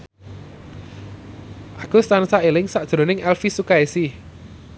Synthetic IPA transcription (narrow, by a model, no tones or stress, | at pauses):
ʔakʊst̪ansaelɪŋsaʔd̥ʒ̥ɾo̤nɪŋɛlfisukaesi